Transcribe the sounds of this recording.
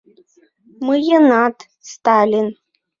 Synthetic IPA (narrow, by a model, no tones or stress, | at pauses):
mɨjənɑt̪ | st̪ɑlʲin